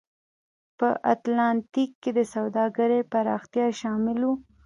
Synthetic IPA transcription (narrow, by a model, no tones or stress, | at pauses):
pəʔa̰t̪lɑnt̪ikːed̪əsawd̪ɑɡaɾepaɾɑxt̪jɑʃɑmɪlwu